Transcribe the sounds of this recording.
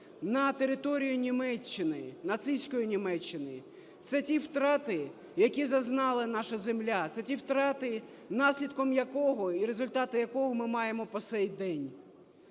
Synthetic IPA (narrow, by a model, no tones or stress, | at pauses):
nɐt̪eɾɪt̪ɔɾʲijʊnʲimɛt͡ʃːɪnɪnɐt̪sɪjsʲkɔjinʲimɛt͡ʃːɪnɪ | t̪sɛtʲiwt̪ɾɑt̪ɪ | jɐkʲizɐznɑlˠɪnɑʃɐzemlʲat̪sɛtʲiwt̪ɾɑt̪ɪ | nɑsʲlʲid̪kɔmjɐkɔɦɔiɾezʊlʲt̪ɑt̪ɪjɐkɔɦɔmɪmɑjemɔpɔtsɛjd̪ɛnʲ